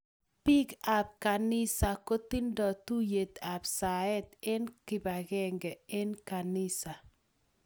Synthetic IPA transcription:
pi˦ka˨b̚ka˨nɪ˦sa˨ko˦t̪i˦ndɔ˨tu˦je˨t̪a˨bsa˨ɛ˦t̪ɪ˦nkɪ˨ba˨ɣɛ˦ŋɡɛ˨ɪ˦nka˨nɪ˦sa˨

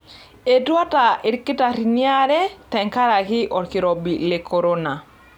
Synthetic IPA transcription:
e˨twa˦ta˨ɪ˨ɾkɪ˦ta˨ɾi˨nja˦ɾɛ˦tɛ˨ŋka˦ɾa˨kɪ˦ʔɔ˨ɾkɪ˨ɾɔ˨bi˨le˨kʰo˨ɾo˦na˨

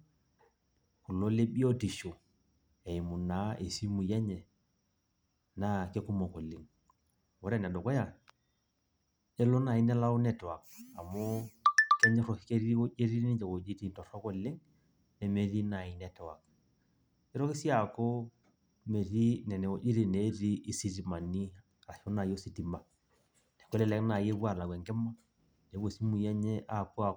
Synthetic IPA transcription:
ku˨lo˦le˦ɓi˦o˦ti˨ʃo˨ | e˨i˨mu˨na˨˦e˨si˦mu˨je˦ɲɛ˨ | na˦ke˦ku˦mo˨ko˨li˨ŋ | wɔ˨ɾɛ˦˨nɛ˨do˨kɔ˦ja˨ | e˦lo˦na˨i˦nɛ˦la˦u˦nɛ˦tɛ˨wa˨ka˨mɔ˦kɛ˦ɲɛ˦ɾɔ˨ki˨ke˦ɾi˦i˦wo˦ʔe˦ɾi˦i˦d͡ʒe˨ko˨d͡ʒi˦ti˦ntɔ˨ɾɔ˦kɔ˨lɪ˦ŋ | nɛ˨me˨ɾi˦na˨i˨nɛ˨tɛ˨wa̰˨k̚ | ɛ˦ɾɔ˦ke˦si˦a˨ko˦ | me˨ɾi˦nɛ˨nɛ˨o˨d͡ʒe˦ɾi˨ne˨˦ɾi˦ʔːsi˨ɾi˨ma˨ni˦˨ | ɾa˨ʃo˦na˨jo˦si˨ti˨ma˨ | nɛ˨ko˦lɛ˦lɛ˦kna˨je˦bwa˦˨la˨kwɛ˨ŋkɛ˦ma˦ | ne˨˦o˨si˦mu˨jɛ˦ɲɛ˦ʔa˦ku˦a˨

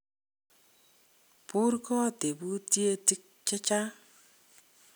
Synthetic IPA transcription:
pu˦ɾkɔ˦te˨bu˦tje˦ti˦k̚t͡ʃɛ˦t͡ʃa˦

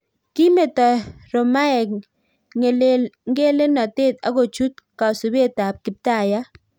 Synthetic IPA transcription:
ki˦me˨tɔ˨ɾo˨ma˦ɛ˨k | ŋe˨lŋɡe˦le˦nɔ˨te˦t̪a̰˦ɡo˨t͡ʃu˦t̪ka˨su˨be˦˨ta˨p̚kɪ˨p̚ta˦˨ja˦

